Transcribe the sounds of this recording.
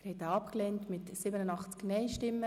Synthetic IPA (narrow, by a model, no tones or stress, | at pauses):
ɾhɛt̪əɑpklɛntmɪtsɪbənənɑχt͡sknɛɪʃtɪmːə